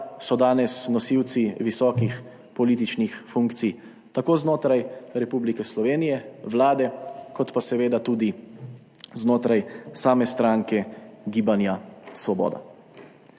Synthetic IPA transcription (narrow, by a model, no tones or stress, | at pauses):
sɔd̪aːnɛsnɔsiwt̪siʋisɔːkix | pɔliːt̪it͡ʃnixfuŋkt̪sij | t̪akoːznoːt̪ɾajɾɛpublikɛslɔʋeːnijɛʋlaːd̪ɛkɔt̪pasɛʋeːd̪at̪uːd̪i | znoːt̪ɾajsaːmɛst̪ɾaːŋkɛɡiːbanjasʋɔbɔ̰ːd̪a̰